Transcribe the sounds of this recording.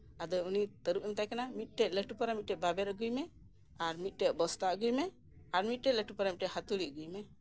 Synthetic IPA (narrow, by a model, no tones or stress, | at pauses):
ad̪ɔjunit̪əɾuʔɛmt̪ajkanamit̪̚ˀʈɛʔləʈupaɾamit̪̚ʈɛbabɛɾəɡujmɛ | aɾmit̪̚ʈɛʔbɔst̪aʔɡujmɛ | aɾmit̪̚ʈɛləʈupaɾamitʈɛhat̪uliʔɡujmɛ